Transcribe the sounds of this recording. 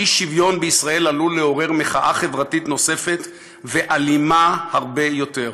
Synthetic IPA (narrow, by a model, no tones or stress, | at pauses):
iʃivjo̞nbeisʁae̞laluleo̞ʁe̞ʁmeχaʔaχe̞vʁatitno̞se̞fe̞t | veʔalimahaʁbe̞jo̞te̞ʁ